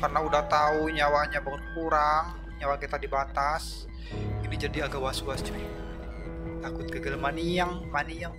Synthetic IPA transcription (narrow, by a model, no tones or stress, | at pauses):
karnaudaht̪auɲawaɲabaŋʊt̪̚kuɾaŋ | ɲawakit̪adibat̪as | inid͡ʒadiaɡawasuasd͡ʒai | t̪akʊt̪̚kəɡəlamaniaŋmaniaŋ